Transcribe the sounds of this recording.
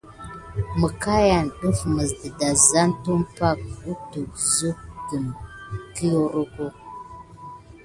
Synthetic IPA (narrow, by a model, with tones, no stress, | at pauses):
mə˨ka˦ja˨nɗu˦fmə˨zdə˨da˨za˦ntu˦mpa˦k̚u˦tu˨k̚zu˦kɡə˨mki˦jo˦ɾu˦ku˦